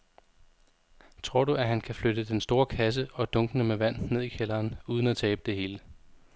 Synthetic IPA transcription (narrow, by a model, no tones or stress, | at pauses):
t͡sʰʁo̝ɐ̰ɾ̥uæɦænkʰæflød̥əd̥ensd̥o̝ːɐkʰæs̬əɒ̽d̥ɔ̽ŋɡ̥ənəmeʋæn̰nːe̝ð̞̰ˠikʰelɐːnuːð̞ˠn̩æt͡sʰɛːb̥əd̥e̝ɦe̝ːlə